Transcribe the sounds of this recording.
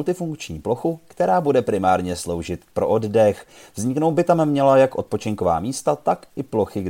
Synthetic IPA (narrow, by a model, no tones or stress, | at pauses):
lt̪ɪfuŋkt͡ʃɲiːplo̞xukt̪ɛɾaːbudɛpɾɪmaːɾɲɛslo̞wʒɪt̪pɾo̞ʔoddɛxvzɲɪknowt̪̚bɪt̪amːɲɛlajakʔo̞t̪̚po̞t͡ʃɪŋko̞va̰ːmiːst̪at̪akʔɪplo̞xɪɡ